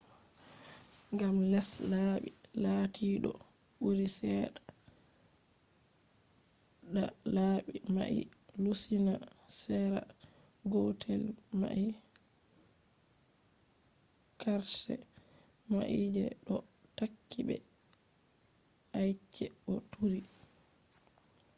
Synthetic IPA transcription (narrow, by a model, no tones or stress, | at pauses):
ŋɡamlɛslaɓilatʰiɗɔ | ɓuɾisɛɗa | ɗalaːɓima̰ʔḭlusinasɛɾaɡɔtʰɛlma̰ʔi | kaɾsɛ̰ | ma̰ʔid͡ʒɛ̰ɗɔtakːiɓɛ̰ | ʔajt͡ʃːɛɔtʰuɾi